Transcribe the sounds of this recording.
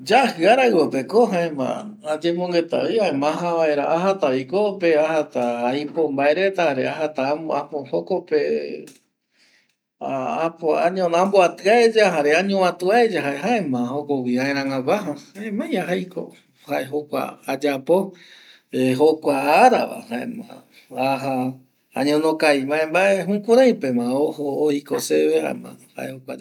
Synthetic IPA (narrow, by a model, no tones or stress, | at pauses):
d͡ʒahɨaɾaɨwopekoɦãẽmã̰ad͡ʒemõŋɡe̞t̪a̰iaẽmãɦãβaeɾaʔahat̪aikope̞ahat̪aːjpombaeɾet̪ahaɾeaɦat̪aapohokope | apoa̰ɲõnãmboat̪ɨaed͡ʒaɦaɾeaɲõãt̪uaed͡ʒaɦaeɦaẽmãhokowiãẽɾ̃ãŋãkʷaɦahaemãj̃aɦajkʰo̰ | haʔeɦokʷa̰ad͡ʒapo | eɦokʷaːɾaʋa̰haḛmã̰ | aɦa | a̰ɲõnõkajmãẽmbaeɦũkũɾ̃ãj̃pemãohoːikoseβeha̰ḛmã̰ha̰ʔehokʷa